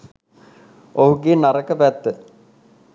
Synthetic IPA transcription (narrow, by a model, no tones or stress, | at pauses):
oɦuɡenaɾəkəpæt̪ːə